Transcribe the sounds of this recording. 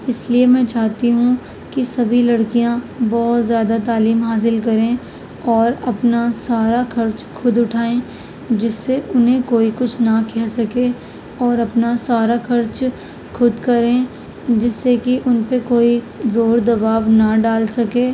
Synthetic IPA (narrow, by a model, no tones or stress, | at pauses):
ɪsliemɛ̃ːt͡ʃaːɦt̪iɦũ | kisɐbʱilɐɽkijãbɔːʊt̪zjaːd̪at̪aːliːmɦaːs̬ɪlk̬ɐɾẽ | ɔːɾɐpnasaːɾaxɐɾt͡ʃkʰʊd̪ʊʈʰaːẽ | d͡ʒɪsːeʔʊnɦẽkoːikʊt͡ʃʰnɐkɛɦsɐke | ɔːɾɐpnasaːɾaxɐɾt͡ʃ | kʰʊd̪kɐɾẽ | d͡ʒɪsːekiʔʊnpekoːi | zoːɾd̪ɐbaːʋnɐɖaːlsɐkeː